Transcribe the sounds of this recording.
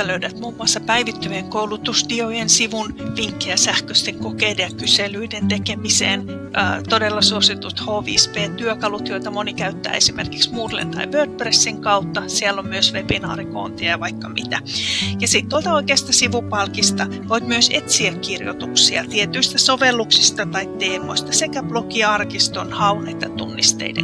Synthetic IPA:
løydæt̪muːmːuɑsːɑpæiʋit̪ːøjeŋkoulut̪ust̪iojensiʋunʋiŋkːejɑsæhkøst̪eŋkokeːdejɑkyselyident̪ekemisḛːn | ʔt̪odelːɑsuosit̪ut̪hoːʋḭːspeːt̪yøkɑlut̪joit̪ɑmonikæyt̪ːæ̰ːesimḛrkiksmuːrlḛnt̪ɑ̰iʋørt̪̚presːiŋkɑut̪ːɑsiɛlːommyøsʋebinɑ̰ːriko̰ːnt̪iɑʋɑikːɑmḭt̪æjɑsiˑt̪t̪uolt̪ɑoikeːst̪ɑsiʋupɑlkist̪ɑ | ʋoit̪myøset̪siækkirjo̰t̪uksiɑt̪iet̪yist̪æsoʋelːuksist̪ɑt̪ɑitt̪eːmo̰ist̪ɑsekæb̥lokiɑrkist̪onhɑunɑet̪ːɑt̪ṵnːist̪ḛidḛn

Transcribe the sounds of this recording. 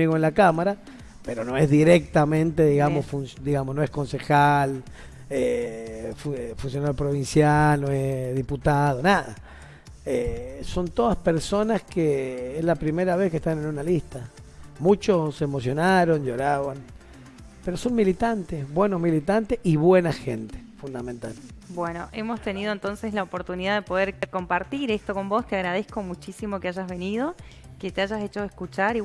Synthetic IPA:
iɣoenlakamaɾa | pe̞ɾono̞ezðiɾek̚t̪amẽ̞nt̪e̞ðiɣamosfunsd̪iɣamosnoesko̞nse̞xal | efufuns̬jo̞naɾjopɾo̞βinsjalnoesðiput̪að̞onaða̰ | eso̞nt̪o̞ðaspe̞ɾso̞naskeezlapɾime̞ɾaβe̞skest̪ane̞nunalist̪a | mut͡ʃosemo̞sjo̞naɾo̞nd͡ʒo̞ɾaβan | peɾo̞so̞nmilit̪ant̪esβwe̞nozmilit̪ant̪eʔiβwenaxḛnt̪e̥fund̪amẽnt̪albwenoʔemost̪e̞nið̞o̞e̞nt̪o̞nseslaopo̞ɾt̪uniðaðepo̞ðeɾko̞mpaɾt̪iɾest̪oko̞mbo̞st̪eaɣɾað̞esko̞mut͡ʃisimo̞keaʒazβe̞nið̞o̞ | ket̪eaʒaset͡ʃo̞eskut͡ʃaɾi

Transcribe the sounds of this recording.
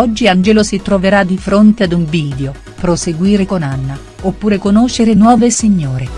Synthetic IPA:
ɔd͡ʒːiand͡ʒɛlosit̪ɾoveɾad̪ːifɾont̪ead̪uɱviːd̪eo | pɾoseɡwiːɾekonanːa | opːuːɾekonoʃeɾenwɔːvesiɲːoːɾe

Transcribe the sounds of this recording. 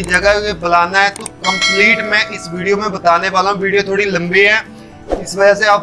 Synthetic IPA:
id͡ʒəɡəebɐlaːnaɦɛt̪okə̃mpliːʈmẽʔɪsʋiːɖijomẽbɐt̪aːneʋaːlõʋiːɽijot̪ʰoːɽilɐ̃mbiɦɛ̃ː | ɪsʋəd͡ʒaseaːp

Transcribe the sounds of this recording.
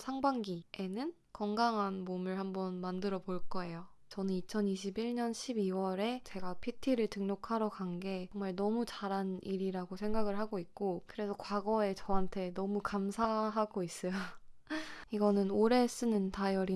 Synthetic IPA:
sʰaŋbaŋɡie̞nɯn | kʌŋɡaŋɦanmomɯɭhambʌnmandɯɾʌboɭk͈ʌe̞jo | t͡ɕʌnɯnit͡ɕʰʌniɕ̬ʰibiɭɲʌnɕʰibiwʌɾe̞t͡ɕe̞ɡapʰitʰiɾɯɭtɯŋnokʰaɾʌkanɡe̞ʌŋmaɭnʌmut͡ɕaɾaniɾiɾaɡosʰe̞ŋɡaɡɯɭɦaɡoik̚k͈okɯɾe̞sʰʌkwaɡʌe̞t͡ɕʌɦantʰe̞nʌmukamsʰaɦaɡois͈ʌjo | iɡʌnɯnoɾe̞s͈ɯnɯntajʌɾi

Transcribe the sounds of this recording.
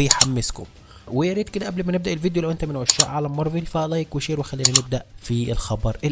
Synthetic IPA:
jħamːɪskʊ̰m | wɪjɑɾiːt̪kɪd̪æʔæblmænebd̪æʔɪlviːd̪jolæwʔent̪æmɪnʕæʃːæːʔʕalæmːɑɾˤvilfælɑjkwɪʃeːɾwɪxælːiːnænɪb̚d̪æʔfiɪlxɑbɑɾˤʔ

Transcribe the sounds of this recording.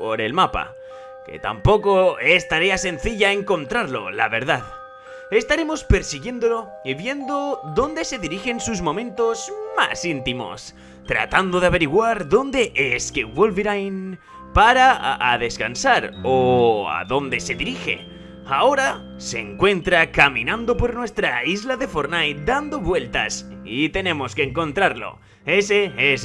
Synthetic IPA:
po̞ɾe̞lmapa̰ | ke̞̰t̪a̰mpo̞ko̞e̞st̪aɾe̞ase̞nθiʝaeŋko̞nt̪ɾaɾlo̞̰la̰βe̞ɾðað | e̞st̪aɾe̞mo̞spe̞ɾsiɣje̞nd̪o̞lo̞ | iβje̞nd̪o̞ðo̞nd̪e̞se̞ðiɾixe̞nsuzmõ̞mẽ̞nt̪o̞zma̰sint̪imo̞̰s | t̪ɾa̰t̪and̪o̞ðeaβe̞ɾiɣwaɾðo̞nd̪e̞ʔeskewolβiɾajn | paɾaːðe̞skansaɾoa̰ðo̞nd̪e̞se̞ðiɾixe̞̰ | ao̞ɾa | se̞ːŋkwe̞nt̪ɾakamĩnãnd̪o̞po̞ɾnwe̞st̪ɾaizlaðe̞fo̞ɾnajd̪and̪o̞βwe̞lt̪a̰s | it̪e̞nẽ̞mo̞skeːŋko̞nt̪ɾaɾlo̞̰ | e̞sees

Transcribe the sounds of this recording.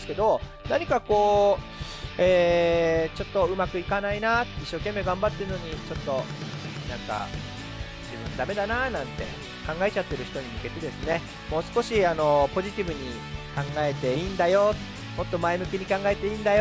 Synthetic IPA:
sɨ̥ke̞d̪o̞ | naɲ̟ikako̞ː | eː | t͡ɕo̞t̪ːo̞ɯ̟makɯ̟ikanainaiɕːo̞ːke̞mːe̞ɡãmbat̪ːe̞ɾɯ̟no̞ɲ̟it͡ɕo̞t̪ːo̞ | nãŋka̰ | d͡ʑibɯ̟̃nd̪ame̞d̪ananãnt̪e̞̰ | kãŋɡae̞t͡ɕat̪ːe̞ɾɯ̟çi̥t̪o̞ɲ̟imɯ̟ke̞t̪e̞d̪e̞sɨne̞ | mo̞ːsɨ̥ko̞ɕiano̞po̞ʑit̪ʲibɯ̟ɲ̟i | kãŋɡae̞t̪e̞ind̪ajo̞t̪ | mo̞t̪ːo̞maemɯ̟kʲiɲ̟ikãŋɡae̞t̪e̞iːnd̪ajo

